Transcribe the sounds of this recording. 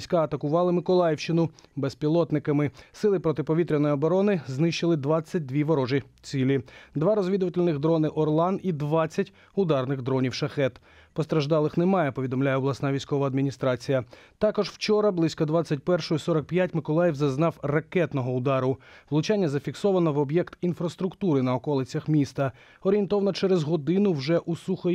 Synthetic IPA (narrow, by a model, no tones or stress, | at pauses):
sʲkɑɐt̪ɐkʊʋɑlˠɪmɪkɔlˠɑjiwʃt͡ʃɪnʊbɛspʲilˠɔt̪nɪkɐmɪsɪlˠɪpɾɔt̪ɪpɔʋʲit̪ɾʲɪnɔjiɔbɔɾɔnɪznɪʃt͡ʃɪlˠɪd̪ʋɑt͡sʲːɐt̚ʲd̪ʋʲiʋɔɾɔʒit͡sʲilʲid̪ʋɑɾɔzʋʲid̪ʊʋɐtʲɪlʲnɪɣd̪ɾɔnɪʔɔrlˠɑnid̪ʋɑt͡sʲːɐtʲ | ʊd̪ɑrnɪɣd̪ɾɔnʲiwʃɐxɛt̪ | pɔst̪ɾɐʒd̪ɑlˠɪxnemɑjɛpɔʋʲid̪ɔmlʲajɛɔblˠɐsnɑʋʲijsʲkɔʋɐːd̪mʲinʲist̪ɾɑt͡sʲijɐt̪ɑkɔʒwt͡ʃɔɾɐblˠɪsʲkɔd̪ʋat͡sʲːɐt̚ʲpɛrʃɔjʊsɔɾɐk̚pjatʲmɪkɔlˠɑjiwzɐznɑwrɐkɛt̪nɔɦɔʊd̪ɑɾʊʋlˠʊt͡ʃanʲːɐzɐfʲiksɔʋɐnɔʋɔbjɛkt̪infɾɐst̪ɾʊkt̪uɾɪnɐɔkɔlˠɪt͡sʲɐxmʲist̪ɐ | ɔɾʲjent̪ɔʋɐnɐt͡ʃɛɾɛzɦɔd̪ɪnʊwʒɛʔusuxɐ